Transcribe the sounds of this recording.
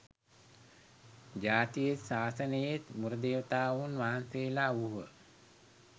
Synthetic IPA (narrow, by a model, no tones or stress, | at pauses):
d͡ʑaːt̪ijet̪saːsənəjet̪muɾəd̪eːʋət̪aːʋunʋaɦant̪eːlauɦə